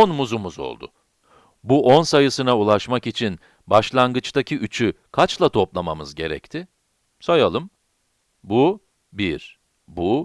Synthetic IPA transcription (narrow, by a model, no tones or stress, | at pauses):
onmuzumuzo̞̰lˠd̪ʊ̰ | buʔonsajɯsɯnaulˠaʃmakit͡ʃʰin | baʃlˠanɡɯt͡ʃt̪ʰacʰiyt͡ʃʰykʰat͡ʃlˠat̪ʰo̞plˠamamɯzɟe̞̰ɾɛ̰ct̪ʰɪ | sajalˠɯm | bu | biɾ | bu